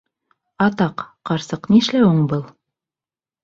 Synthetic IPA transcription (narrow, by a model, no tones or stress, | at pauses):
ɑt̪ɑqːɑɾsɤqniʃlæuɴbɤlˠ